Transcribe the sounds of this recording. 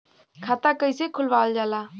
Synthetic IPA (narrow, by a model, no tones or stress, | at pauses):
kʰaːt̪aːkəiseːkʰʊlʋaːld͡ʒaːlaː